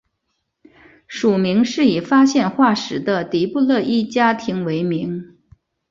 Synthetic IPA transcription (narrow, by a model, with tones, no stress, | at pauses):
ʂu˨˩mi˧˥ŋʂɻ̩˥˩i˨˩fa˥ɕjɛ˥˧nxwa˥˩ʂɻ̩˧˥d̪ə˧t̪i˧˥pu˥˧lɤ˥˧ʔi˥˩t͡ɕja˥t̪ʰi˧˥ŋwe˧˥ɪmi˧˥ŋ